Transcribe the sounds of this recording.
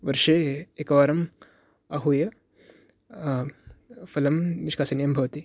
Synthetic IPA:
ʋɐɾʂeːekɐʋaːɾɐm | ɐɦujɐ | fɐlɐmniʂkʰaːsɐnjɐmbʱɐʋɐt̪i

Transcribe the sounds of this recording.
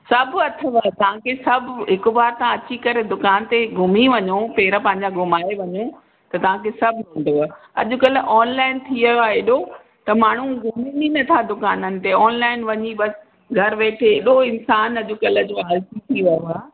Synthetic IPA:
sɐbʱɐt̪ʰəʋat̪ɐʋ̤ãkʰesɐbʱʊɦɪkʊʋaːɾt̪ɐãɐt͡ɕikɐɾed̪ʊkaːnt̪eɡʱʊmiʋɐɲopeːɾəpɐ̃ɦɪ̃ɲ̆d͡ʑaɡʱʊmaːeʋɐɲo | t̪ɐt̪ɐʋ̤ãkʰesɐbʱɦʊ̃nd̪ia | ɐʄʊkɐlə̆ʔɔːnlaːɪnt̪ʰiʋɐjoaeːɗo | t̪ɐmaːɳ̤uɡʱʊmininɐt̪ʰad̪ʊkaːnənɪ̆t̪eɔːnlaːɪnʋɐɲibɐs | ɡʱɐɾʋeːʈʰeeːɗoɪnsaːnɐʄʊkɐlə̆d͡ʑoːɦɐlt̪ʰit̪ʰiʋɐjoaː

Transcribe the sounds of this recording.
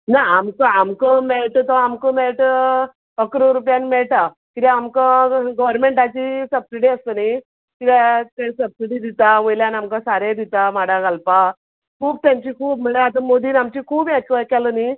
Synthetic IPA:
naamkəamkəmɛɭʈət̪ɔamkəmɛɭʈ | əkɾoɾupjanmɛɭʈa | kit̪aamkəɡəʋəɾmeɳʈat͡ɕisəbsiɽiəst̪ənai | kid̪at̪esəb̚siɽiːd̪it̪aʋəjljanamkasaɾed̪it̪amaɽaɡalpa | kʰuːb̚t̪jãmt͡ɕiːkʰuːb̚m̤əɭeat̪əmod̪iːnamt͡ɕiːkʰuːbjakəkɛləni

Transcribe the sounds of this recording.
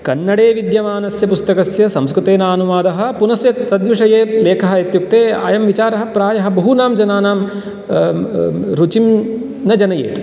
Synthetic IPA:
kɐnːɐɽeːʋid̪jɐmaːnɐsjɐpust̪ɐkɐsjɐsɐmskɾut̪eːnaːnumaːd̪ɐɦɐ̆punɐsjɐt̪ːɐd̪ʋiʂɐjeːleːkʰɐɦɐit̪jukt̪eːa̰ːjɐmʋit͡ʃaːɾɐɦɐ̆pɾaːjɐɦɐ̆bɐɦunaːmd͡ʒɐnaːnaːm | ɾut͡ʃim | nɐd͡ʒɐnɐjḛːt̪

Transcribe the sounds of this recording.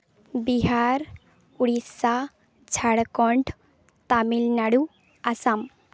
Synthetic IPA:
biɦaɾ | uɽisa | d͡zʱaɽkɔɳɖ | t̪amilnaɽu | asam

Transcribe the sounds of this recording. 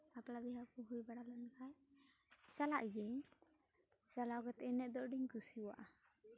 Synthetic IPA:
aplabiɦakuɦujbaɽalankaj | t͡ʃala̰ʔɡɛ | salawɡɛt̪ɛɛnɛʔ̪̚d̪ɔʔɖiɲkusiwa̰ʔa

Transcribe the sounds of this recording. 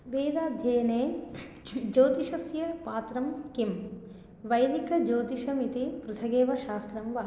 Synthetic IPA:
ʋeːd̪aːd̪ʱjɐːneː | d͡ʒoːt̪iʃɐsjɐpaːt̪ɾɐmkim | ʋɐjd̪ikɐd͡ʒoːt̪iʃɐmit̪ipɾut̪ʰɐɡeːʋɐʃaːst̪ɾɐmʋɐːɦ

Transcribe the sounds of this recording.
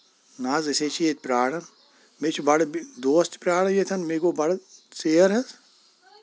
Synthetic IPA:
naːzɐseːt͡ʃʰijet̪̚ʲpɾaːɽɐn | met͡ʃʰibɐɽd̪oːst̪pɾaːɽɐjet̪ʰɐnmeːɡoːbɐɽseːɐɾɦɐz

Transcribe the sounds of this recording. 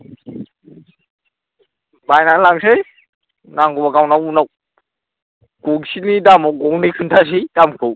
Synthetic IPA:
bajnalaŋsej | naŋɡɔbaɡawnawunaw | kuɡsinidamɔwɡɔŋnijkʰɯntʰas̬ijdamkʰɯw

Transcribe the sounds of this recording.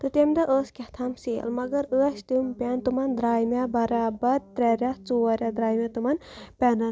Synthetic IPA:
t̪ɨt̪emd̪ɐʔəːskʲɐt̪ʰɐmsiɐ̰lmɐɡɐɾəːsʲt̪umpʲɛnt̪umɐnd̪ɾaːjmebɐɾaːbɐɾt̪ɾʲɛɾʲat͡soːɾʲɐd̪ɾaːjmʲet̪umɐnpʲɛnɐ

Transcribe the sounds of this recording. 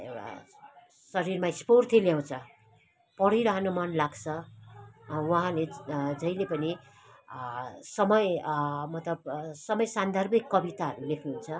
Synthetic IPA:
ḛwɽa̰ | sʌɾirmaisport̪ʰiljaw̃t͡sʰʌ | pʌɽiɾʌɦʌnomʌnlaɡt͡sʰʌ | wʌɦãled͡zʌilepʌni | sʌmʌjmʌt̪lʌb̚sʌmʌjsand̪ʱʌrbikːʌbit̪arlekʰnuunt͡sʰʌ

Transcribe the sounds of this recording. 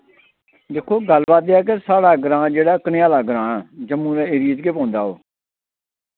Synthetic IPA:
d̪eːkʰːoːɡəlbaːt̪eɛːk̬esaːɽaːɡəɾãːd͡ʒeːɽaːkneːaːlaːɡəɾãːd͡ʒəmːũːɾɛ̃ːeːɾiːd͡ʒkeːpõːnd̪a̰ːo̰ː

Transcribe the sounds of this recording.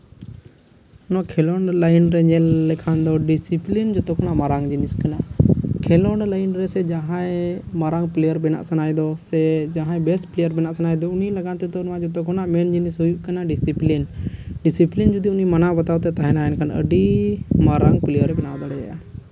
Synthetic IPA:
ɔnakʰɛlɔɳlajnɾɛɲɛlːɛkʰand̪ɔɖisiplind͡ʒɔt̪ɔkʰɔnaʔmaɾaŋd͡ʒiniskanakʰɛlɔɳlajnɾɛsɛd͡ʒaɦãɛmaɾaŋplɛjəɾbɛna̰ʔsanajd̪ɔsɛd͡ʒaɦãɛ̃bɛsʈplɛjəɾbɛnaʔsanajd̪ɔunilaɡant̪ɛd̪ɔnwãd͡ʒɔt̪ɔkʰɔnaʔmɛnd͡ʒinisɦujuʔkanaɖisiplinɖisiplind͡ʒud̪iunimanabat̪awt̪ɛt̪aɦɛnaɛnkʰanə̰ɖimaɾaŋplɛjəɾɛbɛnawd̪ɔɽɛja̰ja̰

